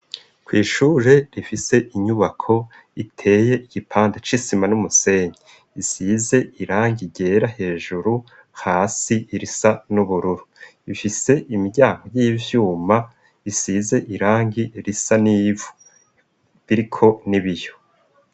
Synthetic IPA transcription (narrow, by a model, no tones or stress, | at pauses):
kwiːʃuːɾe̞ɾifise̞ʔiɲuβakʰo̞ | itʰe̞ːje̞ʔiɡipʰaːndat͡ʃisimanumuse̞ɲe | isize̞iɾaːŋɡiɟe̞ːɾahe̞ːʒuɾu | haːsiɾisanuβuɾuɾuifise̞ʔimiɾɟaːŋɡo̞jiːvjuːma | isize̞ʔiɾaːŋɡiɾisaniːvu̥ | βiɾikʰo̞niβijo